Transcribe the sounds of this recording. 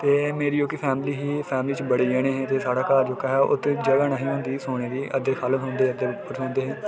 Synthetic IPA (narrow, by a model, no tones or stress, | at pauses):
t̪eːmeːɾiːjoːkiːpʰɛːmliːɦiːpʰɛːmliːt͡ʃbəɽiːd͡ʒəːɽ̃eːɦɛ̃ːt̪eːsaːɽaːkaːɾd͡ʒoːkəɦɛːʔʊ̰t̪ːd͡ʒəɡaːnaːɦiːõːnd̪iːsoːɳ̃eːɾiːəd̪eːkʰalɦõːnd̪eːəd̪eːpːʊɾɦõːnd̪eːɦɛ̃ː